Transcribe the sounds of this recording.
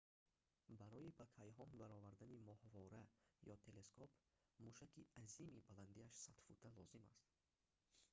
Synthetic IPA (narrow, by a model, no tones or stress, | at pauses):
baɾɔibakʰajɦɔnvaɾɔvaɾd̪animɔhvɔɾajɔt̪ʰe̞le̞skʰɔp | muʃakiazimibaland̪iaʃsat̪fut̪ʰalɔzima̰st̪